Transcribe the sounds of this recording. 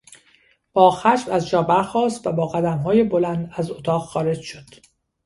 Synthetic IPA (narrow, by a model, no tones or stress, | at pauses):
b̥ɒːxæʃbæzd͡ʒɒːbæɾxɒːst̪væbɒːɣæd̪æmɦɒːjebolænd̪æzot̪ʰɒːɣxɒːɾe̞d͡ʒʃod̪̥